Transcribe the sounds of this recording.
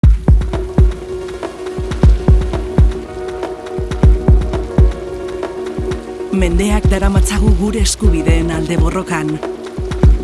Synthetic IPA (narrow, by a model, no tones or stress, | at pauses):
me̞nd̪e̞akd̪aɾamat͡saɣuɣuɾe̞ːskuβiðe̞ːnald̪e̞βo̞ro̞kan